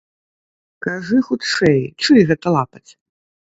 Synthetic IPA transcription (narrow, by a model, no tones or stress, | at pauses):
kaʐɨxut̪ʂɛjt͡ʂɨjɣɛt̪ɐlˠapɐt͡sʲ